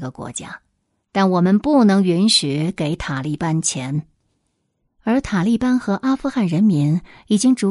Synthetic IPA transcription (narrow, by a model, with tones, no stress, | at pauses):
ɡə˨kwɔ̰˧˥t͡ɕja̰˥ | t̪a˥˩nwɔ˨˩mə˦npu˥˩nɤ˧˥ŋy˧˥nɕy˨˩ke˧˥ɪt̪ʰa˨˩li˥˩pa˥nt͡ɕʰjɛ˧˥n | ə˞˧˥t̪ʰa˨˩li˥˩pa˥nxɤ˧˥ʔa˥fu˥˧xa˥˩nɻə˧˥nmi˧˥ŋi˨˩t͡ɕi˥ŋʈ͡ʂu˧˥